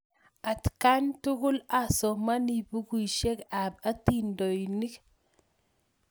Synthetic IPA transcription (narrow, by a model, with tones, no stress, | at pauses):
a˨tka˦ntu˦kʊ˦la˨sɔ˨ma˦ni˨pu˦kui˨ʃe˦kap̚a˦tindo˨jni˦k